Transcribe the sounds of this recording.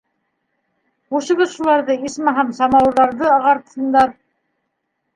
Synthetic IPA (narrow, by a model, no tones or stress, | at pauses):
quʃɤ̆βɤðʃulˠɑɾðɤismɑɦɑmsɑmɑwˠðɑɾðɤɑʁɑɾt̪ɤ̥̆sɤ̆nd̪ɑɾ